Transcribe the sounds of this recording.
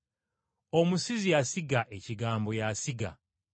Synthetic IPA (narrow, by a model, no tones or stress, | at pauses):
omusizijasiɡaʔe̞ciɡaːmbo̞jasiɡa̰